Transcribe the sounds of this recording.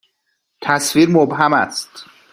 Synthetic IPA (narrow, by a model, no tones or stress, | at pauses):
t̪ʰæsviːɾmobɦæmæst̪